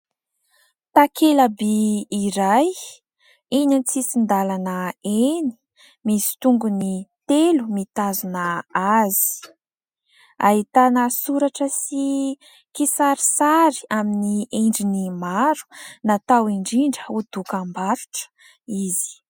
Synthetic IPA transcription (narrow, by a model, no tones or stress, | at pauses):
t̪akʰelabiːɾaj | iɲant͡sisind̪alanəeni̥ | misi̥t̪uŋɡunit̪elumit̪azunəazi̥ | aɦit̪anəsuɾaʈ͡ʂəsi | kisaɾisaɾi̥aminieɳɖ͡ʐinimaɾu̥nat̪awiɳɖ͡ʐiɳɖ͡ʐəud̪ukambaɾuʈ͡ʂə̥ | izi̥